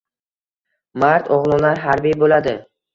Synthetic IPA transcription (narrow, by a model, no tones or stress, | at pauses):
maɾt̪ʰɒʁlˠʊnaɦaɾbijbolad̪ɪ